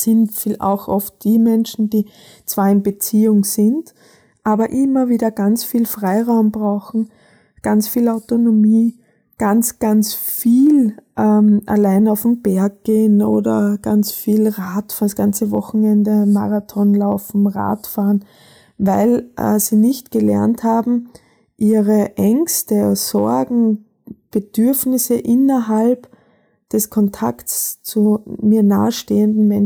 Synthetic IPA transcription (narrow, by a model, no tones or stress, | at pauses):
sɪntfiʔa̰ʊxʔɔft̚d̥iːmɛnʃn̩d̥iː | t͡sv̥aːɐɪnbət͡siːʊŋsɪnd | ʔaːbɐʔɪmɐviːdɐɡ̥ant͡sfiːlfʁaɪʁaʊmb̥ʁaʊxn̩ | ɡ̥ant͡sfiːlaʊtonomiː | ɡ̥ant͡sɡ̥ant͡sfiːlʔɛːmʔa̰laɪnaʊfm̩b̥ɛɐk̚ɡ̥eːəno̰ːdɐ̰ɡ̥a̰nt͡sfiːlʁaːtfsɡ̥ant͡səvɔxn̩ɛndəmaʁatʰɔnlaʊfnm̩ʁa̰ːtfaːn | vaɪlʔɛ̰ziːnɪçtɡ̥əlɛ̰ɐnthaːbm̩ | ʔiːʁəʔɛŋkstəsɔɐɡŋ̩ | b̥əd̥ʏɐfnɪsəʔɪnɐɦalp | d̥ɛskʰɔntʰaktst͡sumiːɐna̰ːəʃteːəndn̩mɛn